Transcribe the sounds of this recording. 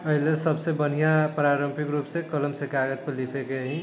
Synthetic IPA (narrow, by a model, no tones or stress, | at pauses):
əɦilesəbsebən̤ijapɾaɾəmpʰikɾupsẽkələmsẽkaɡəd͡ʒpəlipʰekeɦĩ